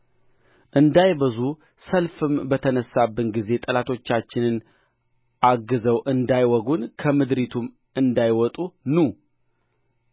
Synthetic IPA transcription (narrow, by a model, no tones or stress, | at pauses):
ʔɨnd̪ajbəzu | səlfɨmbət̪ʰənəsːabːɨnɡize̞t̪ʼəlat̪ʰo̞t͡ʃːat͡ʃːɪnɨn | ʔaɡːɨzəwʔɨnd̪ajwɔɡunkʰəmɨd̪ɾit̪ʰum | ɨnd̪ajwɔt̪ʼunu